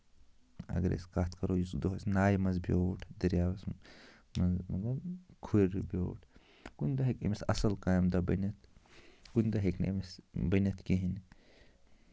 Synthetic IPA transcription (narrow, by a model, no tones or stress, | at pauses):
ɐ̰ɡɐɾḛskaːt̪ʰkɐɾoːjuzkd̪oɦɐsnaːjmɐnzbʲjoːʈʰd̪ɐɾjaːʋɐs | mɐzmɐt̪lɐbkʰuɾbʲo̰ːʈʰ | kund̪ɐɦekimisɐsɐlkaːjmd̪ɐbɐnɐt̪kund̪ɐɦeknḛmisbɐnɐt̪ʰkiɦin